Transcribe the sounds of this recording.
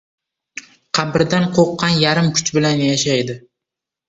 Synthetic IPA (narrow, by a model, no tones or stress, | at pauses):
qʰɑbɪɾd̪anqʰoqːɑnjaɾɪmkʰʊ̥t͡ʃbɪlanjaʃajd̪ɪ